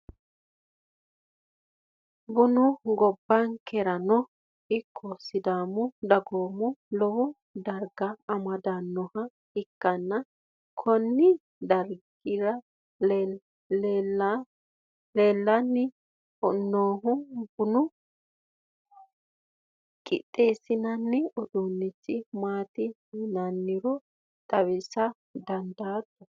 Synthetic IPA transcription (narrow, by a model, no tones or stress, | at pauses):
bʊnʊɡɔbːɐŋkɛɾɐnɔ | ɪkʰːosːɪd̪aːmɔd̪ɐɡoːmɔlɔwɔ | d̪ɐɾɡɐːmɐd̪anːɔhɐ | ɪkːɐnːɐ | kʰɔnːɪ | d̪ɐɾɡɪɾɐ | leːlːɐnːɪ | ɔnːoːɦʊbʊnʊ | kʼɪ̰t̪ʼːeːsɪnɐnːɪɔd̪unːɪt͡sːɪmaːt̪ɪ | nɐnːɪɾɔ | t̪ʼɐwɪsɐ | d̪ɐnd̪aːt̪ːɔ